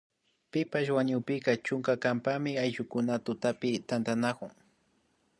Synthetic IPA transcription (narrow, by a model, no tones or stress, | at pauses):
pɪpaʃwaɲʊpɪkat͡ʃʊŋkakampamɪajʒʊkʊnat̪ʊt̪apɪt̪ant̪anakʊŋ